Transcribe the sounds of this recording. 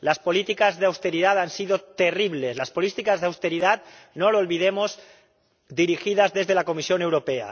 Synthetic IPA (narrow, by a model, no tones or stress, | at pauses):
laspolit̪ikazðeawst̪eɾiðat̪ansiðot̪eriβleslaspolit̪ikazðawst̪eɾiðat̪noloolβiðemoz | d̪iɾixiðazðezðelakomisjonewɾopea̰